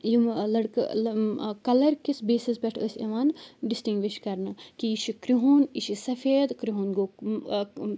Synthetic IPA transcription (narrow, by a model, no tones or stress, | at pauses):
jimlɐɽk | kɐlɐɾkisbeːsisbʲɛʈʰəsʲɐʋaːnɖisʈiŋɡʋiʃkɐɾnɨkiiʃikɾiɦuːniʃisɐfeːd̪kɾiɦunɡoː